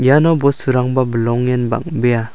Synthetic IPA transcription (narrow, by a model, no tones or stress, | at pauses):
janɔbɔsuɾaŋbabəlɔŋjanba̰ŋ̚beja